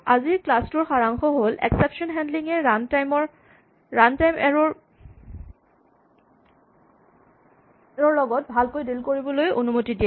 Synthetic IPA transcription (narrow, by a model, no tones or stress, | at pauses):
aziɹklastʊɹxaɹaŋxɔɦolʔɛ̰ksɛpʃɔnɦɛndliŋɛmɔ | ɹantajm | ɹɔɹlɔɡɔt̚bʱalkojdilkoɹibɔlojonumotidijɛ